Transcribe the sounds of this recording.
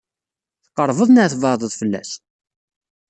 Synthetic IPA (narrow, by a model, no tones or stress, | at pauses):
θə̥qːəɾˤvəðˤnəʕθvɑðˤəðˤfəlːæ̰s